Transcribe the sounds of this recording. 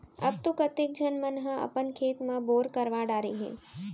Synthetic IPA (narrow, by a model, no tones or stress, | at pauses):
əb̚t̪ukət̪ek̚d͡ʒənmənɦə̃ʔə̰pənkʰeːt̪mãboːɾkəɾʋãɖaɾiɦḛ